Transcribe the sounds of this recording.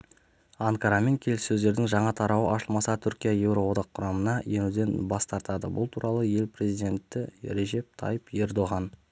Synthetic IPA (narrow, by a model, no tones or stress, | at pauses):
aŋkaɾɑme̞ŋkʲʰe̞lɪsːɵzd̪e̞ɾd̪ɪŋʒɑɴɑt̪ʰɑɾɑwəʔɑʃəlˠmɑsɑt̪ʰʏɾkʲijaje̞wɾo̞wo̞d̪ɑqʰːʊɾɑmənɑjenud̪e̞nbɑst̪ɑɾt̪ɑd̪ə̰bʊlˠt̪ʰuɾʔɑlˠəje̞lpre̞zijd̪ʲe̞nt̪ːɪɾe̞ʒe̞p̚t̪ʰɑ̰jəpe̞ɾd̪o̞ʁɑn